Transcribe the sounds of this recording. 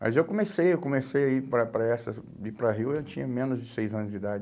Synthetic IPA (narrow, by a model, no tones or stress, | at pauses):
mɐ̰zewkõmesejewkõmesejaipɾɐpɾɐɛsɐ | ipɾɐɦiwewt͡ʃĩɲɐmẽnʊzd͡ʒɪsejzɐ̃nʊzd͡ʒid̪ad͡ʒ